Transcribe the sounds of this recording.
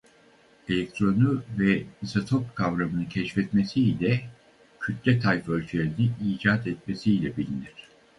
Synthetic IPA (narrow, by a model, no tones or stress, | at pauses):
e̞lʲɛk̚t̪ʰɾo̞nuvɛisat̪ʰo̞p̚kʰavɾamɯnɯcʰɛʃfɛt̪mesiːlʲɛ | cʰyt̪ʰlʲɛt̪ʰajfø̞lʲt͡ʃʰylʲeɾiniiːd͡ʒaːt̪ɛt̪̚me̞siːlʲɛbilʲiniɾ̝̥